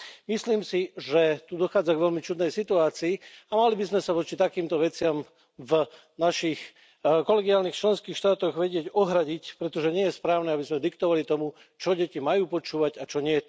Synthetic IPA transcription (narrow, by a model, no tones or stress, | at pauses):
misliːmsiʒɛt̪ud̪ɔxaːd͡zaɡʋɛlmit͡ʃud̪nɛjsit̪uaːt͡siːamalibizmɛsaʋɔt͡ʃit̪akiːmt̪ɔʋɛt͡sɪam | v | naʃix | kɔlɛɡiaːlnixt͡ʃlɛnskiːxʃt̪aːt̪ɔɣʋɛɟɪɛɟɔɦɾaɟicpɾɛt̪ɔʒɛɲɪɛjɛspɾaːʊnɛabizmɛd̪ikt̪ɔʋalit̪ɔmu | t͡ʃɔɟɛcimajuːpɔt͡ʃuːʋaɟat͡ʃɔɲɪɛ